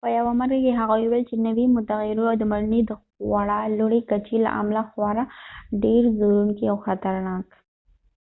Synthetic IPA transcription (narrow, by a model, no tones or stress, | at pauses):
pəjawamaɾɡakeɦaɣajuwɛlt͡ʃenawimʊt̪aɣɪɾuawd̪əmaɾnid̪əxwaɽaloɽekat͡ʃela̰ʔa̰mlaxwɑɾaɖeɾzoɾuŋkiawxat̪aɾnɑk